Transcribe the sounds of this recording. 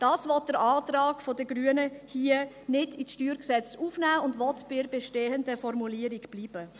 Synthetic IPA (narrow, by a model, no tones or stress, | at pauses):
d̥ɑːsvɔt̚d̥əɾaːtɾɑːɡ̥fɔdəɡɾyːənəhiːə | nɪdisʃtyːɾksɛt͡suːfnæːʊndʋɔtb̥ɪɾbɛʃteːəndəfɔɾmuliːəɾiɡb̥liːb̥ə